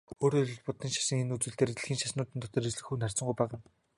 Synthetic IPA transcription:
oːɾoːɮɵ̆ɮpʊt̪ĭŋʃḁʃə̆ŋenut͡swɘ̆ɬt̪eːɾĕɮxʲiːŋʃaʃnʊːt̪ɘ̆nt̪ʰɔ̥t̪ɞ̆risɮɘ̆xuːnar̥t͡sə̆ɴɢujpæːʁə̆n

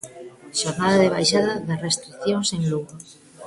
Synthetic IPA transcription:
ʃoɾnaðaðeβ̞ajʃaðaðerest̪ɾikθjonseŋluɣɾo

